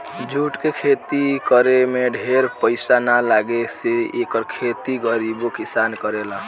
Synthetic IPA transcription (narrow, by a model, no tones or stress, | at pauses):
d͡ʒʱuʈkekʰet̪ikəɾemeɖʱeɾpəɪsanalaɡeseekəɾkʰet̪iɡəɾibokisankəɾela